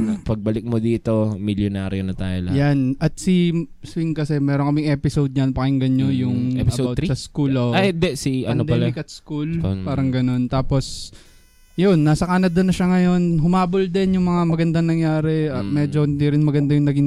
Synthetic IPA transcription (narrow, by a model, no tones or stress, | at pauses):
pɐɡ̚bɐlɪk̚mod̪iːt̪o̞mɪljonaːɾjonɐt̪a̰ːjo̰lɐjanɐt̪̚siswiŋkɐsɛmɛːɾoŋkɐmɪŋʔɛːpɪsowd̪̚ɲɐnpɐkɪŋɡɐɲːojʊŋpɐbawt̪sɐskulond̪ɛsiʔɐɐnod̪ɛɐlɪkɐt̪̚skulpaːɾɐŋɡɐno̞nt̪aːpo̞s | jonːaːsɐkaːnɐd̪onːɐʃaŋɐjo̞nɦʊmaːbold̪ɛnjʊŋmɐŋamɐɡɐnd̪aŋnɐŋjaːɾɛɐmɛːd͡ʒo̞hɪnd̪iɾɪnmɐɡɐnd̪ajʊŋnɐɡɪn